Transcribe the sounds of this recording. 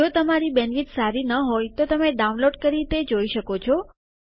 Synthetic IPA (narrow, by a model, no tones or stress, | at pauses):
ot̪əmaɾibɛnʋit̪saɾinəɦojt̪ot̪əmeɖaũnloɖkəɾit̪ed͡ʒoiʃəkot͡ʃʰɔ